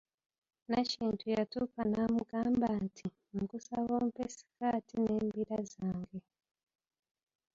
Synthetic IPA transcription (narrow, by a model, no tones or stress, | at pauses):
naciːntʰujatukanamuɡaːmbantʰi | mukusaβomupesi̥kaːtine̞ːmbiɾazaːŋɡe